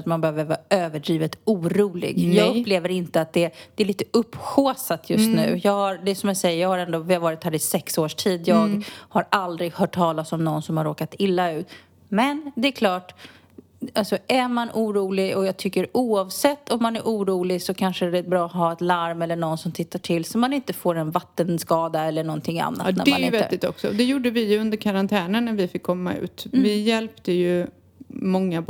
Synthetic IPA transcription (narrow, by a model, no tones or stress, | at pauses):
t̪manbɛhøːvəɾvɑ̰ːʔøːvəɖɾiːvət̪uːɾuːlɪ̰ɡjɑːɡɵpːleːvəɾɪnt̪əat̪̚d̪ɛd̪̥ɛːliːt̪əʔɵpːɧoːsat̪ʰjɵst̪nʉ̟ːjɑːɡhaɾd̪ɛsɔmjasɛjəjɑːɡhaɾɛnd̪oːvɪavɑːɾɪt̪hæːɾɪsɛksoːʂʈʰiːd̪jɑːɡhaɾald̪ɾɪɡhœːʈʰːɑːlasɔmnɔnsɔmhaɾoːkat̪ɪlːaʉ̟ːt̪ | mɛnd̪ɛɛkʰlɑːʈ | alsɔʔæɾmanʔuːɾuːlɪɡɔjɑːɡ̚t̪ʰʏkːəɾuːɑvsɛt̪ːɔmːanæɾʔuːɾuːlɪɡsɔkʰanʂəɾɛt̪̚bɾɑːɦɑːɛt̪laɾmɛlːəɳɔnsɔmt̪ʰɪt̪ːaʈʰɪlːsɔmːanɪnt̪əfoːɾɛnvat̪ːənskɑːd̪aɛlːəɳɔnt̪ʰɪŋːa̰nːʔa̰t̪næ̰ɾɛmanɾɪvɛt̪ːɪt̪ɔksɔd̪ɛjuːɖəvɪjɵnd̪əɾkʰaɾant̪ʰɛːnənːæɾvɪfɪkʰːɔmːa̰ʉ̰ːt̪vɪjɛlpt̪əjɵ | mɔŋːa